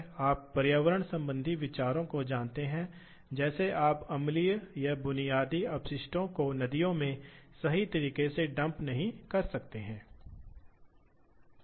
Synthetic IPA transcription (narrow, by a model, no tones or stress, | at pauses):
aːpːɐɾjaːʋəɾəɽ̃sɐ̃mbə̃nd̪ʱiʋɪt͡ʃaːɾõkod͡ʒãːnt̪eɦɛ̃ | d͡ʒɛːseʔaːpɐmlijjabʊnijaːd̪iɐpsɪʃʈõkonɐd̪ijõmẽsɐɦit̪ɐɾiːqeseɖɐ̃mpnɐɦĩkɐɾsɐkt̪eɦɛ̃ː